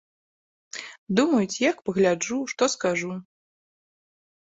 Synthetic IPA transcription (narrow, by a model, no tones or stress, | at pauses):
d̪umɐjut͡sʲjakpɐɣlʲad͡ʐuʂt̪ɔskaʐu